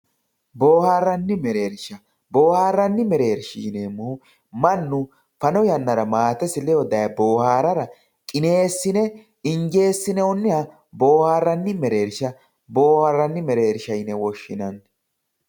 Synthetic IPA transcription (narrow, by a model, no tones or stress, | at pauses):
bo̞ːhaːrːɐnːɪmɛɾe̞ːɾʃɐ | bo̞ːhaːrːɐnːɪmɛɾe̞ːɾʃḭːneːmːʊhʊ | mɐnːʊ | fɐnɔjɐnːɐɾɐmaːt̪ɛsɪlɛjɔd̪ɐjɐbo̞ːhaːɾɐɾɐ | kʼɪne̞ːsːɪnɛ | ɪŋɡe̞ːsːɪnɛɔnːɪhɐ | bo̞ːhaːrːɐnːɪmɛɾe̞ːɾʃɐ | bo̞ːhaɾːɐnːɪmɛɾe̞ːɾʃɐjnɛwɔʃːɪ̰nɐn